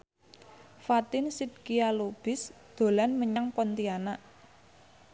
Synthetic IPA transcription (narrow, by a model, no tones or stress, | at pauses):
fat̪ɪnsid̪̚kialob̥ɪ̤s | d̪̥o̤lanməɲaŋpɔnt̪ianaʔ